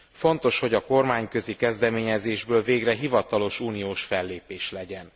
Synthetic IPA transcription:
fo̞nt̪o̞ʃho̞ɟɒko̞rmaːɲkø̞zikɛzd̪ɛmeːɲɛzeːʒbøːlveːɡrɛɦivɒt̪ɒlo̞ʃuːnijoːʃfɛlːeːpeːʃlɛɟɛn

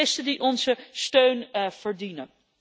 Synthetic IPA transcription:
ɪstədiʔɔnzəstøɥnv̥əɹdinən

